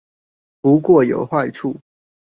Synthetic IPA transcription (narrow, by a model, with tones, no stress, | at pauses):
pu˨˦kwɔ˥˨jo˨˩ʊxwa˥˧ɪʈ͡ʂʰu˥˨